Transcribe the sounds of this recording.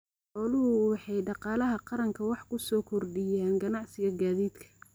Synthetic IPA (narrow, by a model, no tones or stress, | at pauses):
ħɔːlʊɦʊwɑħɑjɖɑqɑːlɐɦɐqɑɾɐŋkʰɐwɑħkʰʊsɔːkʰɔrɖɪjaːnɡɐnɑʕsɪɣɐɡaːðiːd̪kʰɐ̥